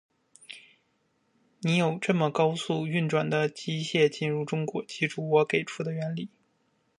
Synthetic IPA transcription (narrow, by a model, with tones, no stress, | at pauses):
ni˧˥jo˨˩ʊʈ͡ʂɤ˥˩mə˩kɑ˥ʊsu˥˧y˥˩nʈ͡ʂwa˨˩nd̪ə˦t͡ɕi˥ɕjɛ˥˧t͡ɕi˥˧nɻu˥˩ʈ͡ʂʊ˥ŋkwɔ˧˥t͡ɕi˧˥ʈ͡ʂu˧˥wɔ˧˥ke˨˩ɪʈ͡ʂʰu˥˩d̪ə˩ɥɛ˧˥nli˨˩˦